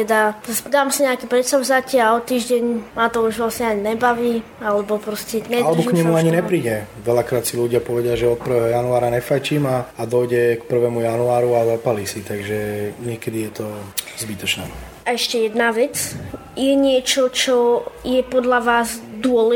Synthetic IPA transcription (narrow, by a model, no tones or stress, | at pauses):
t̪ɛd̪ad̪aːmsiɲɛakiːpɾɛsavzacɪaɔt̪iːʒɟɛɲmaːt̪ɔuʒʋlasɲɛaɲinɛbaʋiː | alɛbɔpɾɔscɛnɛlɛbɔkɲɛmuaɲinɛpɾiːɟɛ | ʋɛlakɾaːt̪siluɟɪapɔʋɛɟɪaʒɛɔt̪̚pr̩ʋɛːɦɔjanuaːɾaɲɛfajciːmaːd̪ɔjɟɛkpr̩ʋɛːmujanuaːɾuazapalisit̪aɡʒɛɲɪɛkɛd̪ijɛt̪ɔzbit̪ɔt͡ʃnɛ̰ | aɛʃcɛjɛd̪naʋɛt͡s | jɛɲɪɛt͡ʃɔt͡ʃɔjɛpɔd̪ʎaʋaːzd̪ʊɔlɛ